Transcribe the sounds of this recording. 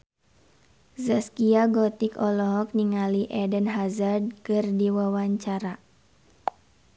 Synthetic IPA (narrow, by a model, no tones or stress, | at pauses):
zaskiaɡɔt̪ikɔlɔɦɔk̚niŋaliʔɛdənɦazad̚kɨrdiwawaɲt͡ʃaɾa